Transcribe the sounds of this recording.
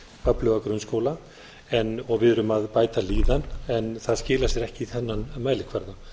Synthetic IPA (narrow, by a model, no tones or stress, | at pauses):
œplʏvakɾʏnskowla | ɛnɔɣvɪðʏɾʏmaðpaːjt̪aliːðanɛnθaðscɪːlasjɛɾɛhcɪiθɛnːanmaːjlɪkʰvaɾða